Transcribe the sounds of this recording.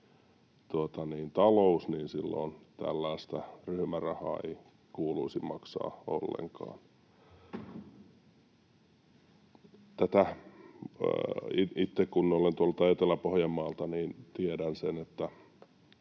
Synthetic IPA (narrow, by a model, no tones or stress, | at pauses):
t̪uot̪ɑniːnt̪ɑlousniːnsilːo̰ːnt̪æ̰lːæːst̪æryhmærɑhɑ̰ːḛi | kuːluisimmɑksɑ̰ːo̰lːḛŋkɑ̰ːn | t̪æt̪æ | iʔit̪ːekkunnolent̪uolːut̪æjet̪elːæpohjɑmːɑːlt̪ɑniːnt̪iedænsenet̪ːæ